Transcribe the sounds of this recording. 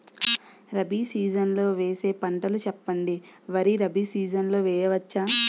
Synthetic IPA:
ɾɐbisiːd͡ʒɐnlo̞ːʋeːse̞ːpɐɳʈɐlut͡ʃɛpːɐɳɖiʋɐɾiɾɐbisiːd͡ʒɐnlo̞ːʋɛːjɐʋɐt͡ʃːaː

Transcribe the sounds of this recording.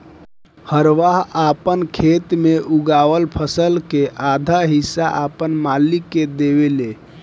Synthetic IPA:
həɾʋaɦapənkʰet̪meʔuɡaʋəlpʰəsəlkeʔad̪ʱaɦisːa̰ʔapənmalikːed̪ebele

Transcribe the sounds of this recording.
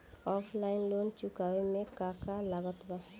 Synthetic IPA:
ɔpʰlaɪnlont͡ʃukawemẽkakalaɡət̪ba

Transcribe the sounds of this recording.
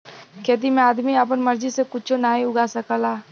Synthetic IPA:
keːt̪̬imẽaːd̪miap̬ənmɐɾd͡ʒisekʊt͡ʃʰonaːiʊɡasəkəlaː

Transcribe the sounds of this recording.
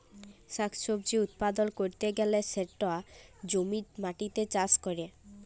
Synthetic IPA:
ʃakʰʃobd͡ʑiut̪̚pad̪onkoɾt̪eɡɛleseʈːoad͡ʑomiɾmaʈit̪et͡ɕaskoɾe

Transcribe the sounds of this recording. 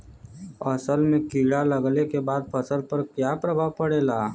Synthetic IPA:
ɐsəlmẽkiːɽaləɡlekebaːd̪̚pʰɐsəlpɐɾkjapɾəbʱapəɽeːlaː

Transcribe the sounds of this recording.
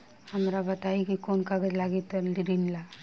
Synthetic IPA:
hamɾabat̪aɦikikonkaɡəɾlaɡit̪ːəɾdiɾinla

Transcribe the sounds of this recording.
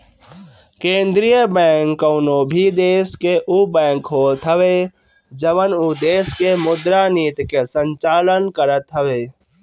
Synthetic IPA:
kẽːnd̪ɾijəbɛ̃ːŋkːəːnobʱid̪eːskeʔubɛ̃ːŋkɦoːt̪ɦəʋe | d͡ʒəʋənud̪eːskemʊd̪ɾaniːt̪kesə̃ɲt͡ʃaːlənkəɾət̪ɦəʋeː

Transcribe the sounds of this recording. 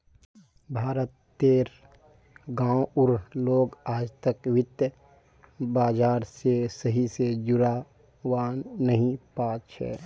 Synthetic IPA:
bʱaːɾət̪ːeːɾ | ɡãːwʊɾloːɡaːd͡ʒt̪əkʋɪt̪j | baːd͡ʒaːɾsesəɦised͡ʒʊɾa | waːnːəɦĩpaːt͡ʃt͡ʃʰɛ̰ː

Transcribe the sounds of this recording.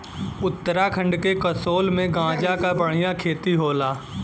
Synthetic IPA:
ʊt̪ːəɾakʰə̃ɳɖkekəsoːlmẽɡãːd͡ʒakabəɽ̤̃ɪjãkʰeːt̪iɦoːlaː

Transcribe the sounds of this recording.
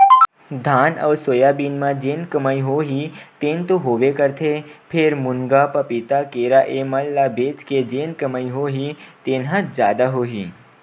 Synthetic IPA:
d̪ʱanə̰ʋsojabiːnmãd͡ʒeːnkəməiɦoɦit̪ent̪oɦoʋekəɾt̪ʰepʰeɾmʊnɡapəpit̪akeɾaʔeməlːabet͡ʃked͡ʒenkəməiɦoɦit̪eːnɦə̃d͡ʒjaːd̪aɦoːɦi

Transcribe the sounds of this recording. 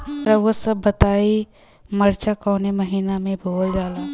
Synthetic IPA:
ɾɐosəbːət̪aːi | məɾt͡ʃakɔːneməɦiːnamẽbʱoːld͡ʒaːla

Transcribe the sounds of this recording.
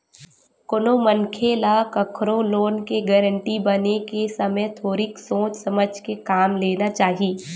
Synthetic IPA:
konomə̃ŋkʰelakɐkʰɾõloːnkeɡɛɾə̃ɳʈibɐnekesɐməjt̪ʰoːɾiksoːt͡ʃsɐməd͡ʒʱkekaːmleːnat͡ʃaːɦiiː

